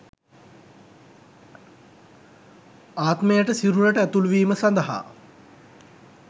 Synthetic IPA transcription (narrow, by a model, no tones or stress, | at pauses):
aːt̪mejəʈəsiɾuləʈəæt̪ulʋiːməsand̪əɦa̰